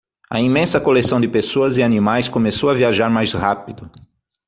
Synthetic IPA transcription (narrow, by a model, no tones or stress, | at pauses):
ɐ̰ĩmẽsɐkolesɐ̃w̃d̪ɪpesoɐzɪanĩmajskõmesowɐviaʒaɾmajshapid̪ʊ